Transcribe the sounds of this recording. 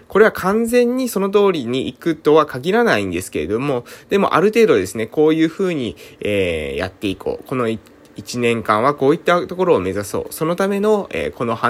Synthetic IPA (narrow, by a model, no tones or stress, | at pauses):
ko̞ɾe̞βakʰãnd͡zẽ̞ɲ̟ːiso̞no̞t̪̬o̞ːɾʲiɲ̟iʔikɯ̟t̪o̞βakaɡʲiɾanaĩnd̪e̞sɨ̥ke̞ɾe̞̰d̪o̞mo̞d̪̥e̞mo̞̰ʔa̰ɾɯ̟t̪e̞ːd̪o̞d̪e̞sɨne̞ko̞ːjɯ̟ːɸɯ̟ːɲ̟ieːja̰t̪ːe̞ikʰo̰ːko̞no̞i | it͡ɕinẽ̞ŋkãɰ̃β̞ako̞ːit̪ːat̪o̞ko̞ɾo̞ːme̞zaso̞̰ːso̞no̞t̪ame̞no̞ḛːko̞no̞ha